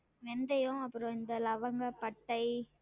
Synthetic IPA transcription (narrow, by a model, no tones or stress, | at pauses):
ʋɛnd̪ɐjʊ̃ɐpːɯɾɔ̃ɪnd̪ɐlɐʋɐŋɡɐpɐʈːɐɪ